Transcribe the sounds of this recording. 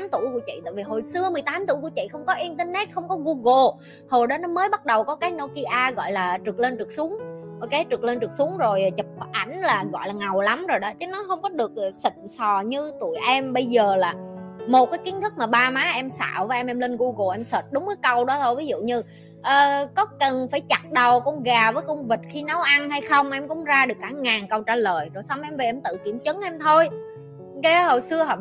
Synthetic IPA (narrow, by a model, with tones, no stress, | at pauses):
a˨˦mt̪u˧˩˨jku˧˩ət͡ɕḭ˧˨t̪a̰ː˧˨vi˨˩ɦo˨˩jsɨ˧əmɨ˨˩əjt̪aː˨˦mt̪u˧˩jku˧˩ət͡ɕḭ˧˨xə˧wŋ͡mkɔ˨˦ʔi˧nt̪ə˧nɛ˦˥t̚xə˧wŋ͡mkɔ˨˦ɣu˧ɣo˧˩ | ho˨˩jɗɔ˨˦nɔ˨˦məː˨˦jɓa˦˥t̚ɗə˨˩wkɔ˨˦kaː˨˦jno˧ki˧ʔaː˧ɣɔ̰˧˨jlaː˨˩t͡ɕɨ˨˩k̚le˧nt͡ɕɨ˨˩k̚su˨˦əŋho˨˩jkaː˨˦jt͡ɕɨ˨˩k̚le˧nt͡ɕɨ˨˩k̚su˨˦əŋzo˨˩jt͡ɕə˨˩p̚ɓʔa˧˩jŋ̟laː˨˩ɣɔ̰˧˨jlaː˨˩ŋa˨˩wla˨˦mzo˨˩jɗɔ˨˦t͡ɕə˨˦nɔ˨˦hə˧wŋ͡mkɔ˨˦ɗɨ˨˩ək̚ːsi˧˨˩ŋsɔ˨˩ɲɨ˧t̪u˧˩əjʔɛ˧mɓə˧jzəː˨˩laː˨˩mo˨˩t̚kaː˨˦jki˨˦ənt̪ʰɨ˦˥k̚maː˨˩ɓaː˧maː˨˦ʔɛ˧msa̰ː˧˨wvəː˨˦ʔɛ˧mʔɛ˧mli˧nɣu˧ɣo˨˩ʔɛ˧msəː˨˩t̚ɗʊ˨˦ŋ͡mʔəː˨˦jkə˧wɗɔ˨˦t̪ʰo˧jvi˨˦zṵ˧˨ɲɨ˧ | ʔəː˨˩kɔ˨˦kə˨˩nfaː˧˩jt͡ɕa˨˩t̚ɗə˨˩wkʊ̰˧wŋ͡mɣaː˨˩vəː˨˦jkə˧wŋ͡mvi˨˩t̚xi˧na˨˦wʔa˧nɦa˧jxə˧wŋ͡mʔɛ˧mkʊ̰˧˥ŋ͡mzaː˧ɗɨ˨˩əkːaː˧˩ŋaː˨˩nkə˧wt͡ɕaː˧˩ləː˨˩jzo˨˩jsa˧wŋ͡mʔɛ˧mve˨˩ʔɛ˧mt̪ɨ̰˧˨ki˧˩əmt͡ɕə˨˦ŋʔɛ˧mt̪ʰo˧j | ke˨˦ho˨˩jsɨ˧əɦ